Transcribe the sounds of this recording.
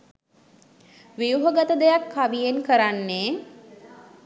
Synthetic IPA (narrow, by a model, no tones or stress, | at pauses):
ʋijuɦəɡat̪əd̪ejakːaʋijenkəɾanːeː